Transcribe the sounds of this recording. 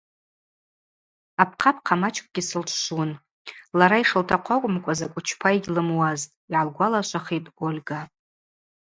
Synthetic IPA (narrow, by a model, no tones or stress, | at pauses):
apʰqʰapʰqʰamat͡ʃʰʼkʷʼɡʲisɨlt͡ʃʷʰʃun | laɾaiʂɨltʰaqʷʰakʷʼʊmkʷʼazakʷʼʊt͡ʃʰpʰaiɡʲlɨmwaztʼiʕalɡʷalaʃʷaχejpʼolʲɡapʼ